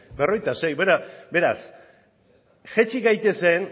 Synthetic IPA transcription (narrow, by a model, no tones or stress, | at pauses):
bero̞jt̪ase̞jbeɾabe̞ɾa̰s | ʝet͡ʃiɣajt̪e̞se̞n